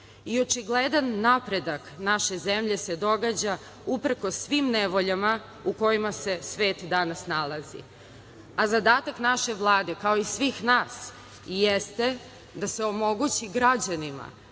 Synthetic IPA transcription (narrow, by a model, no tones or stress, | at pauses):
io̞t͡ʃiɡled̪anːapɾe̞d̪aknaʃe̞zemʎe̞se̞d̪o̞ɡad͡ʑa | upr̩kosʋimneʋo̞ʎama | uko̞jimase̞sʋe̞ːt̪d̪anasnalˠazḭ | azad̪aːt̪aknaʃe̞ʋlˠaːd̪e̞kao̞isʋiːxnaːs | jest̪e̞ | d̪aseo̞mo̞ɡut͡ɕiɡɾad͡ʑanima̰